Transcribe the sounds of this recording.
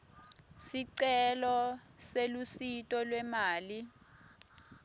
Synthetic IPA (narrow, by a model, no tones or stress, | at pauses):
siǀɛlɔselusitʼɔlwɛmaːli